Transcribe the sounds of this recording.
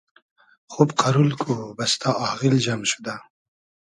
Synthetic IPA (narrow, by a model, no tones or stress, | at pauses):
χobqaɾulkʰubast̪ʰɑɑɣilʒamʃu̥d̪a